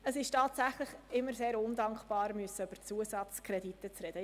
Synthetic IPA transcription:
əsɪʃtɑːtsæχlɪχɪmːəɾseːɾʊndɑŋkb̥ɑːɾmyəsəøb̥əɾt͡suəzɑt͡skʰrɛditət͡srɛd̥ə

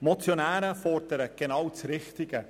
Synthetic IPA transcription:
mɔt͡sjonæːɾəfɔrdəɾəɡ̥enɑwt͡sɾɪχtɪɡ̥ə

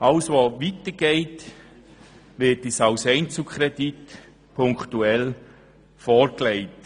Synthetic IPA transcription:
ʔɑlsʋoːʋitəɡ̥eɪt | ʋɪtisalsɛɪnt͡sukʰχɾɛdit | pʰʊŋktuɛl | fɔːɾklɛɪt

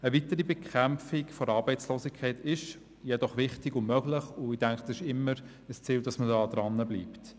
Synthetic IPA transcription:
əvitəɾibɛkχæmfɪkfɔɾɑːɾbɛɪt͡sloːsikʰːɛɪtɪʃ | jɛd̥ɔχʋɪχtɪɡʊmmœɡ̥lɪχʊid̥æŋkχd̥ɑsɪʃɪmːəɾ | əst͡siːld̥ɑsmədɑːd̥̪ɾɑnːəbliːpt

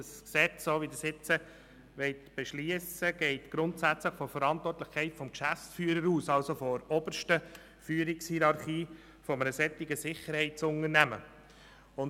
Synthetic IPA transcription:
əsksɛt͡ssoːʋidəsɪt͡sə | ʋɛɪtb̥eʃliəsəɡ̥ɛɪtɡ̥ɾʊntsæt͡sləχfɔɾfəɾɑntʋɔrtlɪχkʰɛɪtfɔmkʃæft͡sfyːəɾəɾuːsɑlsofɔɾɔbəɾʃtə | fyːɾɪkshiɾɑɾχiː | fɔmənəsɛt̪ːɪɡ̥əsɪχəɾhɛɪt̚t͡sʊnəɾnæmə̰ | ʊn

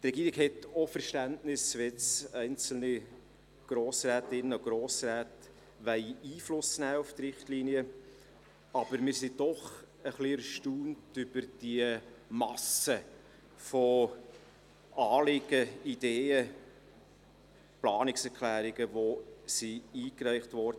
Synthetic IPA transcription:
t̪rɛɡiːɾɪɡhɛtofəɾʃtæntnɪsʋɛt͡sɛɪnt͡sl̩ni | ɡ̥ɾoːsræːtɪnːəoɡ̥ɾoːsɾæːt | ʋɛɪiːflʊsnæːʊft̪rɪχtliːniə | ɑb̥əɾmɪːɾsid̥ɔχ | əχliɾʃtuːntʏb̥əɾd̥iəmɑsə | fɔ | ɑːlɪɡ̥əid̥eːə | plɑːnɪksɛɾkʰlæːɾɪɡəvosiiːkræɪχtvɔɾd̥ə

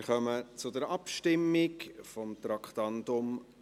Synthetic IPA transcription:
χœmət͡sʊdəɾɑpʃtɪmːɪkfɔmt̪ɾɑkχt̪ɑndʊm

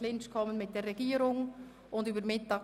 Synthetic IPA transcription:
lɪnt͡ʃkʰɔmənmɪt̚d̥eːɾːɛɡ̥iːɾʊŋ | ʊndyːbəɾmɪtɑː

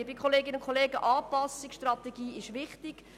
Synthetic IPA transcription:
bɪkʰχoleːɡɪnəʊnkʰoleːɡəʔɑːpɑsɪksʃtrɑt̪ɛɡiːɪʃʋɪχtɪɡ̥

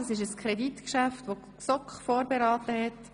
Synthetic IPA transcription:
ɑsɪʃəskʰɾɛditkʃæftʋo | sɔkχfoːɾbeɾɑːtəɦɛt

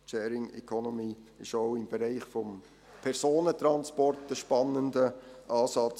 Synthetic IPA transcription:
ʃɛːɾɪŋɛ̰kʰonomiːɪʃoʊɪmb̥ɛɾaɪχfɔm | pʰɛrsoːnətɾɑnspɔrtəʃpɑnːəndəʔɑːsɑt͡s

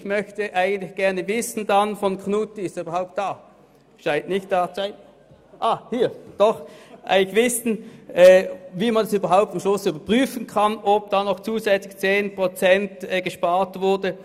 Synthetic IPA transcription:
ɪçmœçtəʔaɪɡən̩tlɪçɡ̥ɛɐnəvɪsn̩danfɔnknutiɪstyːbɐʁhaʊp̚td̥aː | ʃaɪntnɪçtd̥aːt͡saɪ | ʔaːhiːɐd̥ɔχʔa̰ɪɡlɪçv̥ɪsn̩ʔɛːviːmandasyːbɐɦaʊp̚tfɔmʃlʊsyːbɐpʁ̥yːfənkʰɑnʔob̚d̥aːnɔxt͡suːzɛt͡slɪçt͡seːnpʁ̥ot͡sɛntːɡ̥əʃpaːɐtv̥ʊɐdə

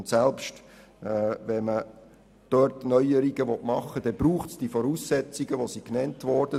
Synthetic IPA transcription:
ntsɛlpʃtː | vɛmə | d̥øtnœʏəɾiɡəʋɔtmɑχːəd̥ɛb̥ɾuːχtsd̥ifɔɾuːsːɛt͡siɡ̥əʋosiknɛntʋɔɾd̥ə

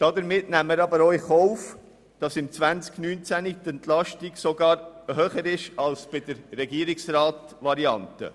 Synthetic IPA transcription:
d̥ɑd̪əɾmɪtnæmːəɾɑbəɾɔʏχɔʊf | d̥ɑsɪmt͡sʋænt͡sknyːnt͡sænit̪ɛnt̪lɑʃtiksɔɡɑːɾhœːχəɾɪʃɑlsb̥ɪd̥əɾːɛɡiːɾiksɾɑːt | ʋɑɾiɑ̰ntə̰

